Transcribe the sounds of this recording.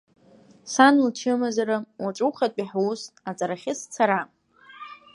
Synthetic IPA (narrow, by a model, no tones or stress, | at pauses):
sanlt͡ʃʰɨmazaɾawaʈ͡ʂʼuχatʼiħusat͡sʼaɾaχʲɪst͡sʰaɾa